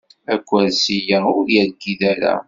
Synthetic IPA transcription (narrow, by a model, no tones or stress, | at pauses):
ækʷːæðsijaʊɾjæɡːiðæɾæ̰